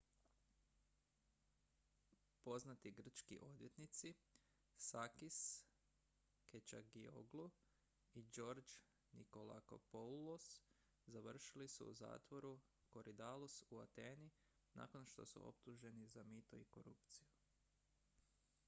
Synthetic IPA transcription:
po̞znat̪iɡr̩t͡ʃkḭʔo̞d̪ʋje̞t̪nit̪si | sakis | ket͡ʃa̰ɡio̰ɡlu | id͡ʒo̞ɾd͡ʒ | niko̞la̰ko̰polos | zaʋr̩ʃilisṵuza̰ːt̪ʋo̞ɾu | ko̞ɾʔid̪alusuat̪e̞ːni | na̰ko̞nʃt̪o̞̰sṵʔo̞̰p̚t̪uʒe̞nizamit̪o̞iko̞ɾupt̪siju

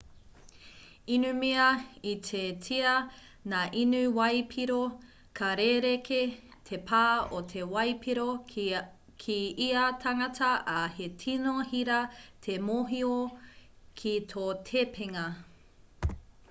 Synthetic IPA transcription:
inʉmiɐitʰetʰiɐ | naːʔinʉwɐjpʰiɾo | kʰɐɾeɾekʰe | tʰepʰaːotʰe̞wɐjpʰiɾo | kʰiiɐtʰɐŋɐtʰɐʔɐhetʰinohiɾɐtʰemoɦio | kʰitʰoːtʰepʰeŋɐ

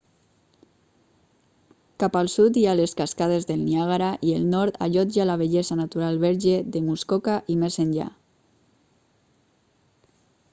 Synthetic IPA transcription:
kapalˠsut̪ialeskaskað̞ezðelˠniaɣaɾaʔielˠnɔɾt̪a̰ʎɔd͡ʒalaβeʎɛzanat̪uɾalˠβɛɾʒeðemuskɔkaʔimezenʲʎa̰

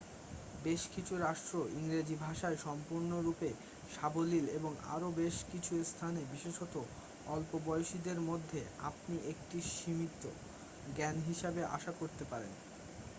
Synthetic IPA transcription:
beʃkit͡ɕʰuɾaʃʈɾoiŋɾed͡ʑibʱaʃaeʃɔmpuɾnoɾupe | ʃabolileboŋa̰ɾobeʃkit͡ɕʰuest̪ʰanebiʃeʃɔt̪o | ɔlpobɔeoʃid̪eɾmod̪ʱːea̰p̚niʔek̚ʈiʃimit̪ːo̰ | ɡɛnɦiʃabeʔa̰ʃakoɾt̪epaɾḛn

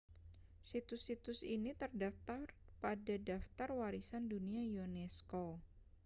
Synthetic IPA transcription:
sit̪ʊsit̪ʊsinit̪ərdaft̪arpadadaft̪arwaɾisanduniajonɛsko

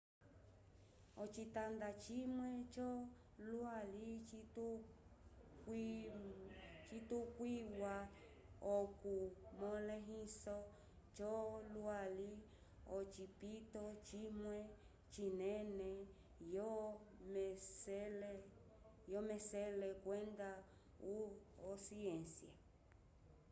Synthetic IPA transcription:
ot͡ʃit̪and̪at͡ʃimwẽt͡ʃɔ | lualit̪u | k | t͡ʃit̪ukʷwiwa | okumɔ̃lẽɦĩsɔ | t͡ʃɔlwali | ot͡ʃipit̪ot͡ʃimwẽ | t͡ʃinẽnẽ | jomesele | jomẽselekʷwend̪a | uosiensja

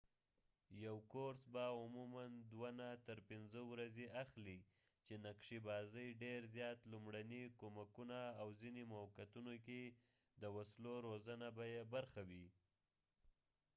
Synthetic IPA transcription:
jawkoɾsbaʊmumand̪wanat̪əɾpɪnzəwɾazeʔaxli | t͡ʃenakʂibɑzəjɖeɾzjɑt̪lumɽanikomakunaːwzinemawkat̪unoke | d̪əwasloɾozənabajebaɾxawi

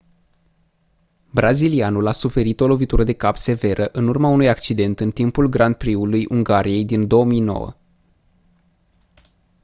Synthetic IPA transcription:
bɾazilianulasufe̞ɾit̪o̞lo̞vit̪uɾəd̪e̞kapse̞ve̞ɾʔəʔɨnurmaunujakt͡ʃid̪e̞nt̪ɨnt̪impulɡɾand̪̚pɾiulujʔuŋɡaɾije̞jd̪ind̪o̞wəmijno̞̰wə̰

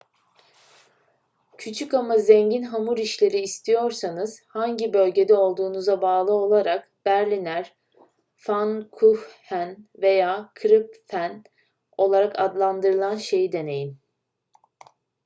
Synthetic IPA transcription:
cʰyt͡ʃʰykamazɛɲɟinɦamuɾiʃlʲe̞ɾiːst̪ʰijo̞ɾsanɯz̥haɲɟibø̞lʲɟe̞d̪ɛo̞lˠd̪uːnuzabaːlˠɯo̞lˠaɾak | b̥æɾlʲinæɾ̥ | fankʰuhhænve̞jaːkʰɾɯpfæn | o̞lˠaɾakʰad̪lˠand̪ɯɾɯlˠanʃe̞jid̪e̞ne̞jin

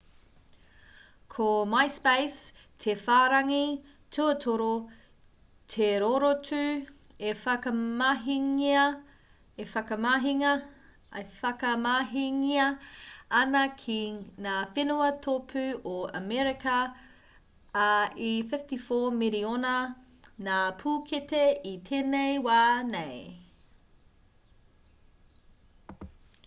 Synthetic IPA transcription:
kʰomajspejstʰefaːɾɐŋi | tʰuɐtʰoɾo | tʰeɾoɾotʉ | efɐkɐmaɦiŋiɐ | efɐkɐmaɦiŋɐ | ɐfɐkɐmaːɦiŋiɐɐnɐkʰinaːfenuɐtʰopʰʉoɐ̰mɛɾikɐ | ifɪftifoːmiɾionɐ | naːpʰuːkʰeteit̪ʰeːnejwaːnej

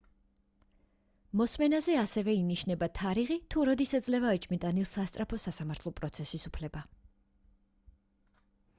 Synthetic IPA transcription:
mɔsmɛnazɛasɛvɛiniʃnɛbat̪ʰaɾiʁit̪ʰuɾɔd̪isɛd̪zlɛvaɛt͡ʃʼmit̪ʼanilˠsast̪sʼɾapʰɔsasamaɾt̪ʰlˠɔpʼɾɔt̪sʰɛsisupʰlɛba

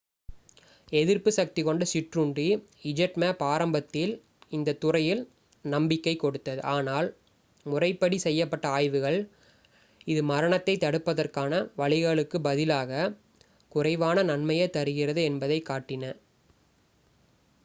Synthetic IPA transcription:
ɛðɪrpɯsɐk̚t̪ɪkɔɳɖɐsɪʈrɯɳɖiɪd͡ʒɐʈmɐpaːɾɐmbɐt̪ːɪl | ɪnd̪ɐt̪ːʊrɐjɪl | nɐmbɪkːɐɪkːɔɽɯt̪ːɐðɯʔaːnaːl | mʊrɐɪpːɐɽisɛjːɐpːɐʈːɐaːjʋɯɣɐɭ | ɪðɯmɐɾɐɳɐt̪ːɐɪt̪ːɐɽɯpːɐðɐrkaːnɐʋɐɭɪɣɐɭɯkːɯbɐðɪlaːɣɐ | kʊrɐɪʋaːnɐnɐnmɐjɐt̪ːɐɾɯɣɪrɐðɯɛnbɐðɐɪkːaːʈːɪnɐ

